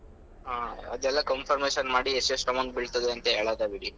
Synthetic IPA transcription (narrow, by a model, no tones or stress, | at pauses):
ɦaːɐd̪ɛlːɐkɐmpʰɐɾmeːʃɐnmaːɽiesesʈɐmɐŋɡbiɭt̪ɐd̪eɐnt̪eɦeːɭad̪ɐbiɽi